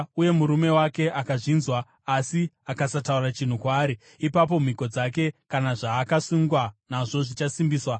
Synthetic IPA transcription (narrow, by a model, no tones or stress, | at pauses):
uje̞muɾume̞wake̞ʔakaʐinzwaː | si | akasataurat͡ʃin̤ukwaːɾi | ipap̬o̞m̤iko̞d͡zak̬e̞kanaʐaːkasuŋɡwanaʐo̞ʐit͡ʃasimbiːswa